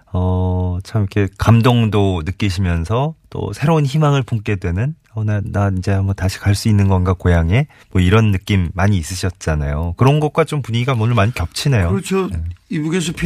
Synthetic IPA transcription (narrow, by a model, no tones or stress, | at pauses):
ʌt͡ɕʰamjʌkʰe̞kamdoŋdonɯk͈iɕʰimjʌnsʰʌt͈o̰sʰe̞ɾounçimaŋɯɭpoŋk͈e̞dwe̞nɯn | ʌnanaid͡ʑe̞amʌtaɕʰi̥kaɭs͈uinːɯnɡʌnɡakojaŋe̞ | mwʌiɾʌnːɯk͈imːaɲiːs͈ɯɕʰʌt̚t͡ɕ͈ana̰jokɯɾʌnɡʌt̚k͈wat͡ɕompuɲiɡamʌnɯɭmaɲikjʌp̚t͡ɕʰine̞joɾt͡ɕʰoeibuɡesʰopʰ